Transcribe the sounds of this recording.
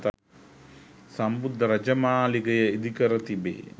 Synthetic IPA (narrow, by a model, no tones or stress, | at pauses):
t̪ | sɐmbud̪ʱːɐɾɐd͡ʒɐmaːliɡɐjɐid̪ʱikɐɾɐt̪ibḛː